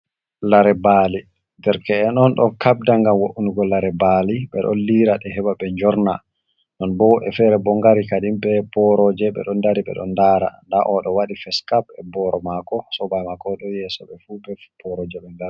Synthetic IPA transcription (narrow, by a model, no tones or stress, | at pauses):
laɾɛbali | dɛɾkɛːnɔnɗɔkab̚daŋɡamwoʔunuɡɔlːaɾɛbaliɓɛ̰ɗɔ̰nliɾaɗɛɦɛbaɓɛɲd͡ʒɔɾna | nɔnbɔʔɛfɛɾɛbɔŋɡaɾikaɗimɓɛpɔɾɔd͡ʒɛɓɛ̰ɗɔndaɾiɓɛ̰ɗɔ̰ndaɾa̰daʔɔɗɔwaɗifɛskabɛbɔɾɔmakɔsɔbajmakɔɗɔjɛsɔ̰ɓɛfubɛpɔɾɔd͡ʒɛɓɛndaɾ